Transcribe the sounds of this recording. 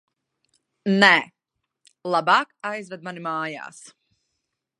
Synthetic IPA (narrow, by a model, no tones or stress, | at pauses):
nɛ | lˠabaːkajzvɛd̪manimaːja̰ːs